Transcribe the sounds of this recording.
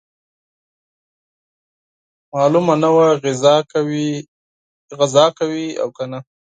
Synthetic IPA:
mɑlumanawaɣɪwi | ɣazɑkawia̰wkana

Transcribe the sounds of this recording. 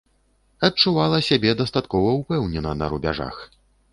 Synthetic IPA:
ɐt͡ʂuvalˠɐsʲabʲɛd̪ɐst̪at̪kɔvɐupɛwnʲɛnɐnɐ̰ɾubʲa̰ʐa̰x

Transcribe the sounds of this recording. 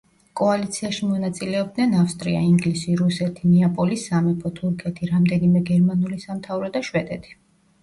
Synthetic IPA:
kʼɔalit̪sʰiaʃimɔnat̪sʼilɛɔb̚d̪nɛnafst̪ʼɾḭa̰iŋɡlisiɾusɛt̪ʰinɛapʼɔlisamɛpʰɔt̪ʰuɾkʰɛt̪ʰiɾamd̪ɛnimɛɡɛɾmanulisamt̪ʰavɾɔd̪aʃwɛd̪ɛt̪ʰi̥

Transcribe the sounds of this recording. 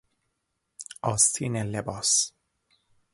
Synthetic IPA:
ʔɒːst̪ʰiːnelebɒːs

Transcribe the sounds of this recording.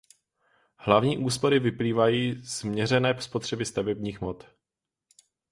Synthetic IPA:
hlavɲiːʔuːspo̞ɾɪvɪpliːvajiːz̥mɲɛrɛnɛːspo̞t̪r̥ɛbɪst̪avɛbɲiːxmot̪

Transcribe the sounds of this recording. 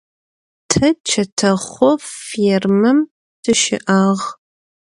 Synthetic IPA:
tʰɐt͡ʃʰɐtʰɐχʷɔfirmɨm | d̥ʰɨʃɪ̰ʔaːʁ

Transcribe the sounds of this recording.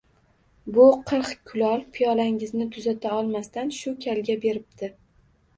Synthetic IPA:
bʊqʰɨɾχkʲʰʊlɒlpʰijɒlaŋɪznɪt̪ʰʊzat̪ʰaɒlˠmast̪anʃʊkʲʰalɡʲabe̞ɾɪp̚d̪ʰɪ

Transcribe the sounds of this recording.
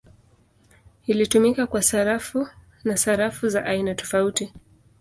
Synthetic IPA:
ilitumikakwasaɾafu | nasaɾafuzaʔainatɔ̥fauti

